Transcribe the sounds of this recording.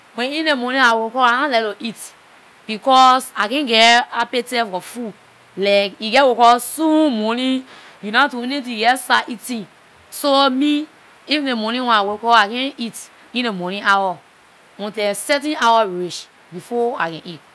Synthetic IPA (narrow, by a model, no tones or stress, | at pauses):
wɛ̃nĩnemɔnĩawokɔanãlɛloʔit | b̥ikɔsakɛ̃nɡɛapetɛfɔfu | lɛkiɡɛwokɔsũmɔnĩ | junatunit̬uɡɛsaʔitĩn | somi | ifĩnemɔnĩwɛ̃nawokɔakɛ̃nit | ĩnemɔnĩawa | ɔ̃ntɛ̃sɛtĩawaɹiʃ | bifɔa̰kɛ̃nit̚